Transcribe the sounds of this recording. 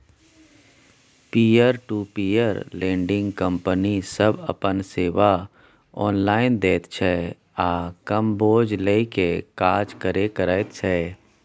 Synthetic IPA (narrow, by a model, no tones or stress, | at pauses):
piːəɾʈuːpiːəɾlẽːɳɖɪ̃ŋɡkə̃mpənisəbə̰pənseːʋa | ɔ̰ːnlaːɪnd̪eːt̪t͡ʃʰɛː | aːkəmboːd͡ʒleikekaːd͡ʒkəɾekəɾət̪t͡ʃʰɛː